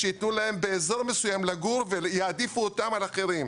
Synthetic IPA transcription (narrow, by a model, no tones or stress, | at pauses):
ʃejit̪nulae̞mbe̞ːzo̞ʁme̞sujamlaɡuʁvejead̪ifuot̪amalaχeʁim